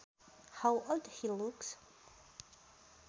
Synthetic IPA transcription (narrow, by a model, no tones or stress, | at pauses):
ħawʔɔdhiluks